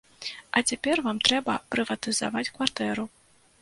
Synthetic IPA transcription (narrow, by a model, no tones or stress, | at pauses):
ɐt͡sʲapʲɛrvamt̪ɾɛbɐpɾɨvɐt̪ɨza̰vat͡sʲkvart̪ɛɾu